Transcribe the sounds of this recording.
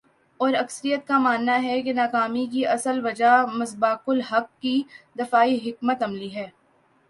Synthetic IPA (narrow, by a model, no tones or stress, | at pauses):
ɔːɾɐksəɾijət̪kamaːnːaɦɛkenaːkaːmik̬iɐsəlʋɐd͡ʒamɐsbaːkʊlɦɐkːid̪ɪfaːiɦɪkmət̪ɐmliɦɛː